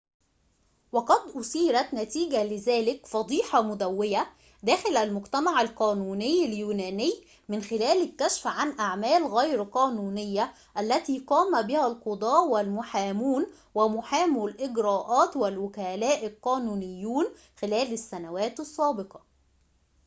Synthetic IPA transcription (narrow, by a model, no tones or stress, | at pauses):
wɑqɑd̪ʔʊsiːɾæt̪næt̪iːɡælɪzæːlɪkfɑd̪ˤiːħɑmʊd̪æwːɪjæ | d̪æːxɪlʔælmʊɡt̪æmaʕalqɑːnuːnɪjːɪljuːnæːnɪjː | mɪnxɪlæːlɪkːæʃfʕanʔaʕmæːlɣæjɾqɑːnuːnɪjːæ | ʔælːæt̪iːqɑːmæbɪhælqod̪ˤɑːʔwɪlmʊħaːmuːn | wɪmʊħaːmulʔɪɡɾɑːʔɑːt̪wɪlwʊkælæːʔɪlqɑːnuːnɪjːuːn | xɪlæːlɪsːænæwæːt̪ɑsˤːɑːbɪqɑ